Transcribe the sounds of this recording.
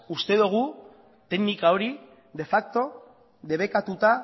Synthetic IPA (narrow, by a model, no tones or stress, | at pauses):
ust̪e̞ðuɣ̞u | t̪e̞ɡnikao̞ɾi | ðe̞fak̚t̪o̞ | ðe̞βe̞kat̪ut̪a